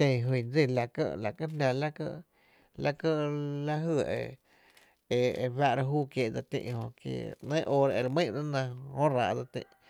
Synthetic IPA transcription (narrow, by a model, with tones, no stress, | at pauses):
ẽ˧˨ɦwi˧˨nd͡zi˦˧˨la˨kə̰˦ʔla˨kə˦ɦnã˧la˦kə˧ | la˦kə˦ʔla˦ɦɨ˧˨ḛ˧ | e˧e˧βa˧ʔɾa˧ɦuː˦kje˧˨d͡za˧t̪ḭ̃˧ʔhõ˧kjḛ˧nə̃˦ʔoː˧ɾa˧e˧ɾmĩ˦˨ɾa˦nã˧hõ˦ɾa˧ʔd͡za˧t̪ḭ̃˧˨ʔ